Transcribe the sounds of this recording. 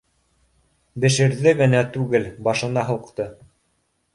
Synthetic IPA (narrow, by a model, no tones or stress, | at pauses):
bɘ̆ʃɘ̆ɾðɘɡɘ̆næt̪ʉɡɘlbɑʃɤ̆nɑɦɤ̆qt̪ɤ